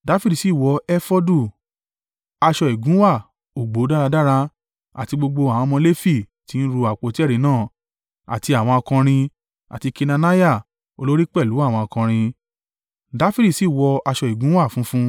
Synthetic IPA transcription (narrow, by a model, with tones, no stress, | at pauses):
da˨˦fi˦di˨si˦˨wɔ˧ɛ˦fɔ˦du˦˨ | a˧ʃɔ˧i˨ɡũ˨˦wa˦˨ | o˨ɡ͡bo˨˦da˦ɾa˧da˦ɾa˧ | a̰˨ti˧ɡ͡bo˧ɡ͡bo˧a˨wɔ̃˧mɔ̃˧le˦fi˦˨ | ti˨˦n̩˦ɾu˧a˨k͡po˨˦ti˦ɛ˦ɾĩ˨˦nãː˦˨ | a̰˨ti˧a˨w̃ɔ̃˧ɔ˧kã˧ɾ̃ĩ˧ | a̰˨ti˧ki˧na˧na˦ja˦˨ | o˧lo˦ɾi˦k͡pɛ˦˨lu˨˦a˦˨w̃ɔ̃˧ɔ˧kã˧ɾ̃ĩ˧ | da˦fi˦di˦˨si˦˨wɔ˧a˧ʃɔ˧˨i˨ɡũ˨˦wa˦˨fũ˦fũ˦